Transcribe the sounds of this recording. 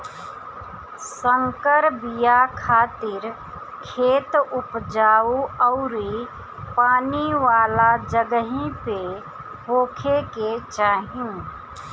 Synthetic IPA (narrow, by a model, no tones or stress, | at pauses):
səŋkəɾbijakʰaːt̪ɪɾ | kʰeːt̪ʊpd͡ʒaːuɔʊɾi | paːniʋaːlad͡ʒəɡəɦĩpe | ɦoːkʰeket͡ʃaːɦjũ